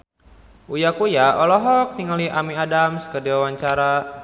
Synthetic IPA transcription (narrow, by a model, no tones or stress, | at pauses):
ujakujaɔlɔɦɔk̚niŋaliʔamiadamskədiwawaɲt͡ʃaɾa